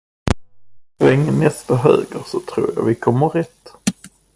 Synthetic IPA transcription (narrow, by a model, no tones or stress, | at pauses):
ɛŋnɛst̪aɦø̰ːɡəɾsɔt̪ʰɾṵːɾja̰vɪkʰɔmːəɾɛt̪